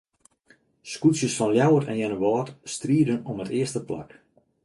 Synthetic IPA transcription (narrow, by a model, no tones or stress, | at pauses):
skutsjəsfɔnljawətɛ̰njɛnəʋɔːtstriədənɔmətɪəstəpla̰k